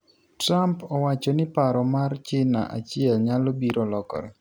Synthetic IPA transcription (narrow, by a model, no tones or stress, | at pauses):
tɾampɔwat͡ʃɔnɪpaɾɔmart͡ʃɪna̰ʔa̰t͡ʃɪɛlɲalobiɾolɔkɔ̰ɾɛ